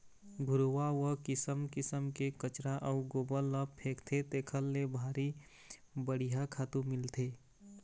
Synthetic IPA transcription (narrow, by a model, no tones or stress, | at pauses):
ɡʱʊɾuwawəkɪsəmkɪsəmkekət͡ʃɾaʔɔʊɡoːbəlːəpʰeːkt̪ʰet̪eːkʰəlːebʱaːɾi | bəɽ̤iɦakʰaːt̪ũmɪlt̪ʰeː